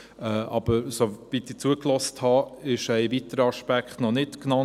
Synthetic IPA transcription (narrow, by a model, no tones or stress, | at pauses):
ɛʔɑb̥əɾsovit̪it͡suəklɔsthɑɪʃɛɪvitəɾəɑʃpækχtnɔnɪtknɑ